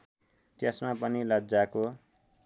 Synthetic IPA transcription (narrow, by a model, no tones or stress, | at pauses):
t̪jesmapʌnilʌd͡zako